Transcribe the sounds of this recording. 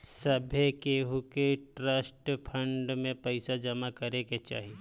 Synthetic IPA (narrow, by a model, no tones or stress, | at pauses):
sɐbʱekeːɦukeʈɾəsʈpʰə̃ɳɖmẽpɐɪsad͡ʒɐmakɐɾeket͡ʃa̰ːɦie